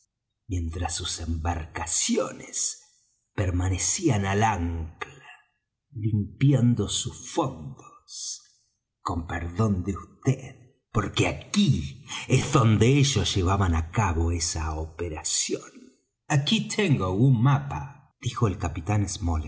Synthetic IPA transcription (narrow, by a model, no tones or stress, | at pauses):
mje̞nt̪ɾasːusembaɾkasjones | peɾmanesianalaŋkla | limpjand̪osusfo̞nd̪o̥s | ko̞mpeɾðo̞nd̪eust̪eð | po̞ɾkeakiezðo̞nd̪eeʒosʒ̥e̞β̞aβanakaβo̞esaopeɾasjon | akit̪ʰeŋɡoaɣunmapa | ð̥ixo̞elkapit̪anezmol